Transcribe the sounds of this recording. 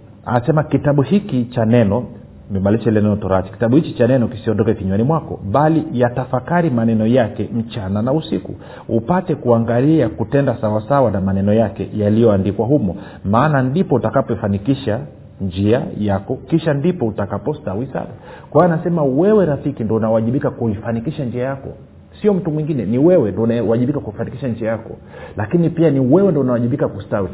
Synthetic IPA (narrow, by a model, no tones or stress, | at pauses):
a̰sɛmakitaɓuhikit͡ʃanɛnɔ | mɛmaliʃɛlɛnɛnɔtɔɾat͡ʃi̥ki̥taɓuhit͡ʃit͡ʃanɛnɔki̥siɔndɔkɛkiɲwanimwakɔ̰ɓalijatafakaɾimanɛnɔjakɛm̩t͡ʃananausikṵ | upatɛkuaŋɡaliakutɛndasawasawanamanɛnɔjakɛ̰jalijɔandikwaɦumɔ | maːnandipɔutakapɔifanikiʃa | nd͡ʒia̰jakɔkiʃandipɔutakapɔstawisa̰ɗakawaanasɛmawɛwɛɾafikindɔunawaʄiɓikakuifanikiʃand͡ʒiajakɔ̰ | siɔm̩tumwiŋɡinɛniwɛwɛndɔunaaʄiɓikakuifanikiʃand͡ʒiajakɔ̰ | lakinipianiwɛwɛndɔunawaʄiɓikakustawi